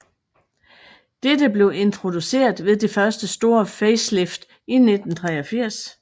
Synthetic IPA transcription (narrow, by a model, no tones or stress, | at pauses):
d̥edəble̝ʊʔe̝nt͡sʰʁo̝d̥use̝̰ːɐðˠʋe̝ð̞ˠd̥e̝fɶɐsd̥əsd̥o̝ːɐfeɪslefd̥ | ine̝d̥n̩t͡sʰʁɛːɒfiɐ̰s